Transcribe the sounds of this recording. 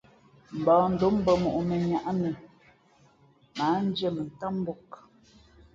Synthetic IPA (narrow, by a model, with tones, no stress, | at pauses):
m̩˨bɔː˨n̩˨do˨˦m̩˦bə˨mo˨ʔu˨mə˨ɲa˨ʔa˦mi˨ | ma˨˦n̩˦d͡ʒə˦˨mə˨n˨ta˦m˦bo˦˨k